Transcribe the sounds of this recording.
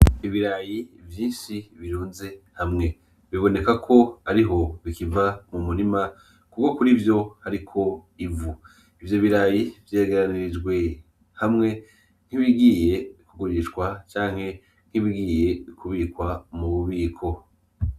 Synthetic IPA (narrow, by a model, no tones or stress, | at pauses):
iβiɾajivjiːnʃiβiɾuːnze̞ | hamŋe̞ | βiβo̞ne̞kakʰo̞aɾiɦo̞βikivamumuɾima | kukokuɾivjo̞haɾikʰo̞ | ivu | ivjo̞βiɾajivje̞ːɡeɾaniɾid͡ʒɡwe̞ | hamŋe̞ | n̥hiβiɡiːje̞ikuɡuɾiʃkwat͡ʃaːŋ̥he̞ | n̥hiβiɡiːje̞βikʰuβiːkwamuβuβiːkʰo̞